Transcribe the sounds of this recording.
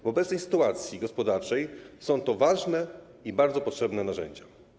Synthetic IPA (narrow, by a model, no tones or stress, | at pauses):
vɔbɛt̪sɛjsɘ̥t̪uat̪sʲjiɡɔspɔd̪aɾt͡ʂɛjsɔ̃w̃t̪ɔvaʐnɛ | ibaɾd̪zɔpɔtʂɛbnɛnaʐɛ̰ɲd͡ʑa